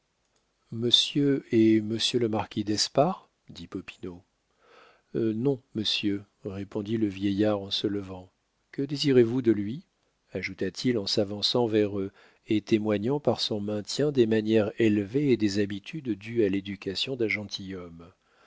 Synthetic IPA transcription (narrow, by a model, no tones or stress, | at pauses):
məsjøeməsjøləmaʁkʲid̪ɛspaʁ | d̪ipɔpi̥no | nɔ̃məsjø | ʁepɔ̃d̪iləvjɛjaʁɑ̃sələvɑ̃ | kəd̪eziʁevud̪əlɥi | aʒut̪at̪ʰilɑ̃savɑ̃sɑ̃vɛʁø | et̪emwaɲɑ̃paʁsɔ̃mɛ̃t̪jɛ̃d̪emanjɛʁelveːd̪ezabit̪ʰyd̪d̪yaled̪ykʲasjɔ̃d̪ɛ̃ʒɑ̃t̪ʰijɔm